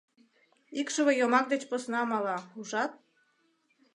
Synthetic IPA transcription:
ikʃəβejomɑk̚d̪et͡ɕposnɑmɑlɑuʒɑt̪̚

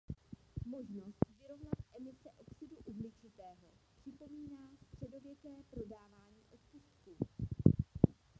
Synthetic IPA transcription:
mo̞ʒno̞st̪vɪɾo̞vnat̪ʔɛmɪsɛʔo̞ksɪduʔuvlɪt͡ʃɪt̪ɛːɦo̞pr̝̥ɪpo̞miːnaːst̪r̥ɛdo̞vjɛkɛːpɾo̞daːvaːɲiːʔo̞t̪pust̪ku

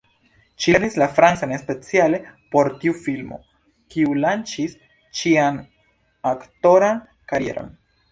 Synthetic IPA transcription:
ʃinislafɾant͡sane̞spe̞t͡siale̞po̞ɾtiufilmo̞̰ | kiulant͡ʃis | t͡ʃian | akto̞ɾan | kaɾie̞̰ɾo̞̰n

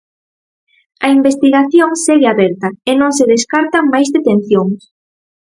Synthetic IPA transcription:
ɐimbest̪iɣaθjoŋseɣeaβɛɾt̪ɐenõŋseðeskaɾt̪ɐmajzðet̪ẽn̟θjoŋs

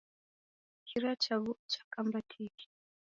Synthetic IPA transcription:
kʰiɾat͡ʃaβut͡ʃḁkambatʰiki̥

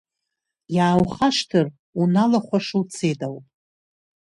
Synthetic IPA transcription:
jaːwχaʂtʰɨr | unalaχʷaʂɨwt͡sʰedaw

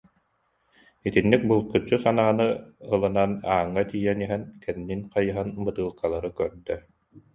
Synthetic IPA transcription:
it̪inːik̚bulˠkɯt͡ɕːusanaːnɯɯlˠɯnanaːŋːat̪ijɛniɦɛnkɛnːinqajɯɦanbɯt̪ɯːlˠkalˠaɾɯkœɾd̪œ

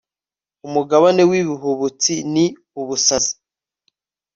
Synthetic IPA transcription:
umuɡaβane̞wiβiɦuβut͡sini | uβusazi̥

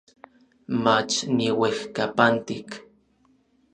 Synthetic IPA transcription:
mat͡ʃniwexkapant̪ik

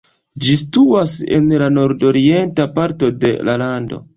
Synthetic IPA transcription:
d͡ʒistuase̞̰nlano̞ɾdo̞ɾie̞ntapaɾto̞de̞̰lalando̞̰

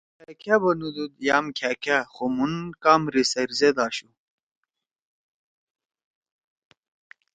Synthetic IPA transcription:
akʰabɐnud̪ud̪jaːmkʰakʰaxomunkaːmɾisɐɾzed̪aːɕu

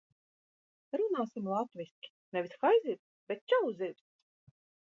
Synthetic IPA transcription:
ɾunaːsʲimlˠat̪vʲisʲkʲi̥nɛvisxajzʲiɾʲsb̥ʲet̪̚t͡ʃawzʲiɾʲs

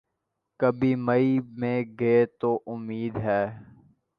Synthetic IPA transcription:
kəbʱimɐimẽɡeet̪oːʔʊmiːd̪ɦɛː

